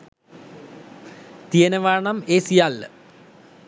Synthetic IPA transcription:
t̪iɐnɐʋaːɳɐmeːsijaːl

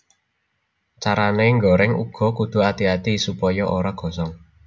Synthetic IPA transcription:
t͡ʃaɾaneŋɡɔɾɛŋṵɡ̥ɔ̤kud̪̥ṳat̪iat̪isupɔjɔʔoɾaɡ̥ɔ̤sɔŋ

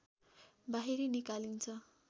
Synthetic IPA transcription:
baɦiɾinikalint͡sʰʌ

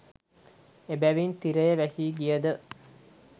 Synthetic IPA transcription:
ebæʋint̪iɾəjəʋæsiːɡijəd̪ə

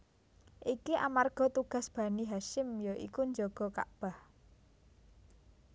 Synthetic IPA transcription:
ʔikiʔa̰marɡ̥ɔ̤t̪uɡ̥a̤sb̥ä̤niɦaʃɪmjoʔḭkuɲd͡ʒoɡ̥ɔ̤ka̰ʔb̥ah

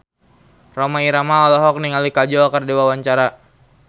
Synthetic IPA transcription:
romaiɾamaɔlɔɦɔk̚niŋalikad͡ʒɔkərdiwawaɲt͡ʃaɾa

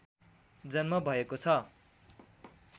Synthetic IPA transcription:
d͡zʌnmʌbʱʌekot͡sʰʌ

